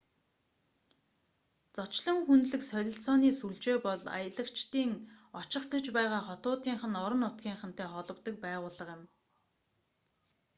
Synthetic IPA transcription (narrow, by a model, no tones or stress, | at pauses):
t͡sɔt͡ɕɮɞ̆ŋxunɮɘ̆ksœɮʲɪ̆ɬt͡sɔːniːsuɮt͡ɕeːpɔɮa̰jə̆ɮə̆kt͡ɕt̪iːŋɔt͡ɕɪ̆χɡĕt͡ɕpæːʁaːχɔt̪ʊːt̪iːɴχə̆nɔɾɞ̆nʊt̪̚ɡʲiːɴχə̆n̥t̪eːχɔɮɞ̆wt̪ə̆k̚pæːʁʊːɮə̆qjɪ̆m